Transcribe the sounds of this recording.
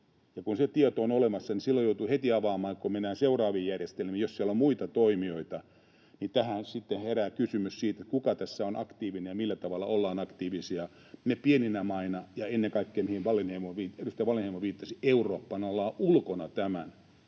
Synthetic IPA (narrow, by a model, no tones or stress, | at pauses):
jɑkunset̪iet̪oonolemɑsːɑnisilːojout̪uhet̪iɑʋɑːmɑːkominæːseurɑːʋiːjærjest̪elmiːjossielːommuit̪ɑt̪oimioit̪ɑ | nit̪æhænsit̪ːeheræːkysymyssiːt̪et̪kukɑt̪æsːæonʔɑkt̪iːʋinejɑmilːæt̪ɑʋɑlːɑolːɑːnɑkt̪iːʋisiɑ | mepieninæmɑinɑjɑenːeŋkɑikːeːmihiʋʋɑlinhemoʋiːterust̪ɑʋɑlenhemːoʋiːt̪ːɑsieuroːpːɑnolːɑːʔulkonɑt̪æmæn